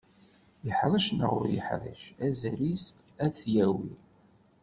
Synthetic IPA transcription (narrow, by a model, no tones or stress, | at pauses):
jəħɾˤəʃnə̰ʁʊ̰ɾjə̰ħɾˤə̰ʃæzælisk | æθjæwi